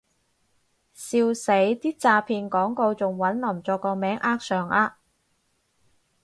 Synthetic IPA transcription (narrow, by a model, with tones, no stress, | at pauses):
siː˧wse˨˥jt̪iː˥t͡saː˧pʰiː˧nkɔː˨˥ŋko˧wt͡sʊ˨ŋwɐ˨˥nlɐ˨˩mt͡sɔː˧kːɔː˧mɛː˨˥ŋʔaː˥k̚sœː˨˩ŋʔaː˧